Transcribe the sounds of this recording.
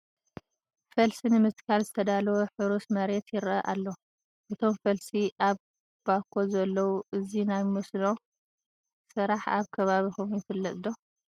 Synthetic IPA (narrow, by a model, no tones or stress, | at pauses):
fɐlsinɨmɨt̪kʰalzɨt̪ʰɐd̪alɐwoħɨɾusmɐɾe̞t̪jɪɾɐʔalːo̞ | ʔɨt̪ʰo̞mfɐlsiʔaβ | b̥akʰːo̞zɐlːɐwuʔɨzinajmɨsno̞ | sɨɾaħa̰βkʰɐβaβixumjɛfɨlːɐt̪ʼd̪o̞